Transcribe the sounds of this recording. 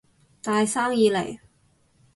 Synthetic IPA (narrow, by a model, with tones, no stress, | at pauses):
t̪aː˨˧jsaː˥ŋjiː˧lḛ˨˩j